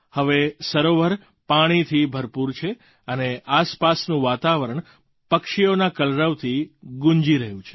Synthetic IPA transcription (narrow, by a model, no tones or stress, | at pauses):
həʋesəɾoʋəɾ | paɽ̃it̪ʰibʱəɾpuɾt͡ʃʰe | əneaspasnũʋat̪aʋəɾəɳ̃ | pəkʃionakəlɾəʋt̪ʰiɡũɲd͡ʒiɾəɦjũt͡ʃʰe̥